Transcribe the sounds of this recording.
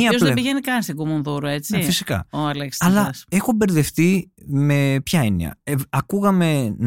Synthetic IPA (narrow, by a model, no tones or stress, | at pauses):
iɐozðebiʝenikɐnst̪iɡomonðuɾɐe̞t͡sifisi̥kɐ̰oɐleksɐlɐɐse̞xo̞be̞ɾðe̞fθime̞pçɐenḭɐ̰eɐkuɣɐme̞n